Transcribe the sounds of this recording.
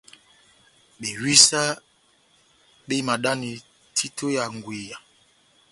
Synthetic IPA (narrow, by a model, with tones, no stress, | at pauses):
ɓe˨wi˦sa˦ | ɓe˦ma˨ɗa˦ni˨ | tʰi˦tʰo˦ja˨ŋɡwe˨ja˨